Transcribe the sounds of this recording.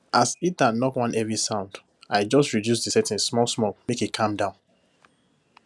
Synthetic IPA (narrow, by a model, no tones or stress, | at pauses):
ʔasitdanɔkwãnʔɛvisãʊ̃nd | aɪd͡ʒɔstɹidjusdisɛtɛ̃nsmɔlsmɔkmekikʰãmdãʊ̃n